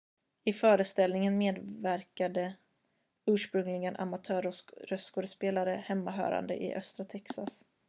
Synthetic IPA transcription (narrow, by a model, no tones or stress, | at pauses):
ɪfœːɾəst̪ɛlnɪŋənmeːd̪væɾkad̪ə | ʉːʂpɾɵŋlɪɡənʔa̰mat̪ʰœːɾɔɾœskɔɾəspeːlaɾəhɛmːaɦœ̰ːɾa̰nd̪ə̰ʔɪ̰ʔœst̪ɾat̪ʰɛksas